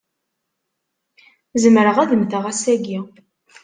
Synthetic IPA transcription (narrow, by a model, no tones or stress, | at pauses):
zəmɾəʁæðəmθəʁæsæɡi